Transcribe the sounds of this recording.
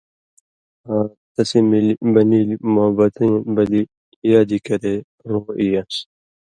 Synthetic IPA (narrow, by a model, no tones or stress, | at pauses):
aː | t̪ɐsimilbɐniːlmobɐt̪ɐ̃bɐli | jaːd̪ikɐɾe | ɾoːʔijas